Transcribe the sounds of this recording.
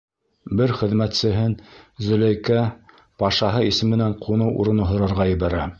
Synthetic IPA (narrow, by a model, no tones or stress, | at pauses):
bɘɾχɘ̆ðmæt̪sɘ̆ɦɘnzɵ̆læjkæ | pɑʃɑɦɤisɘmɘ̆næɴqʰunɤwʔṵɾɤ̆nɤ̆ɦŏɾɑɾʁɑjɘ̆bæɾæ